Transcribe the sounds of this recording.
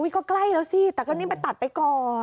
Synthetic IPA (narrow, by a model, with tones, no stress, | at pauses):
ʔu˦˥˩kɔː˥˩kla˧˥˩jlɛː˦˥wsi˧˩t̪ɛː˨˩kɔː˧˩niː˦˥ma˧t̪a˨˩t̪̚pa˧jkɔː˨˩